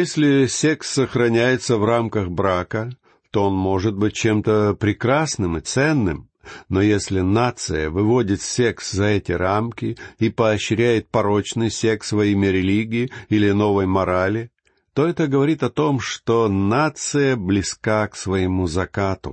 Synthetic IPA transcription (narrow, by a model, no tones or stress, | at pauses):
jesʲlʲɪsʲe̞ksːəxɾɐnʲæjɪt̪səvramkəxbɾakə | t̪oonmo̞ʐɨt̪̚bɨt̚ʲt͡ɕemt̪əpɾʲɪkɾasnɨmɨt̪sɛnːɨ̰m | nojesʲlʲɪnat̪sɨjə̰vɨvo̞dʲɪt̪sʲekszɐɛtʲɪramkʲɪipɐɐɕːɪɾʲæjɪt̪̚pɐɾo̞t͡ɕnɨjsʲeksvɐimʲɪɾʲɪlʲiɡʲɪːilʲɪno̞vəjmɐɾalʲɪ | t̪o̞ɛt̪əɡəvɐɾʲit̪ɐt̪o̞mʂt̪onat̪sɨjəblʲɪskaksvɐɪmuzɐkat̪ʊ̰